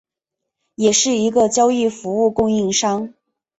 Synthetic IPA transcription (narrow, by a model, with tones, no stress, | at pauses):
jɛ˨˩ʂɻ̩˥˩i˧˥ɡə˧t͡ɕjɑ˥ʊi˥˩fu˧˥u˥˧kʊ˥˧ŋi˥˩ŋʂɑ˥ŋ